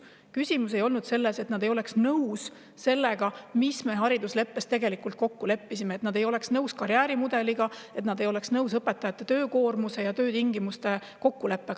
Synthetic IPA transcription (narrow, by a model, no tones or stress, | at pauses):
kysʲimus̬e̞jo̞lnud̪̥se̞lːese̞t̪nɑd̪̥e̞jo̞le̞ksnɤws | se̞lːeɡ̥ɑmisme̞ɦɑɾid̪̥usle̞pːe̞st̪e̞ɡe̞likːult̪̚ko̞kːule̞pːisimeːt̪nɑd̪ejo̞le̞ksnɤwskɑɾjæːɾimud̪e̞liɡ̥ɑe̞t̪nɑd̪e̞jo̞leksnɤwsɤpːˑe̞t̪ːˑɑjɑt̪ːˑet̪øːko̞ːrmuse̞jɑt̪ø̞ːt̪iŋɡimust̪e̞ | ko̞kːule̞pːˑeɡ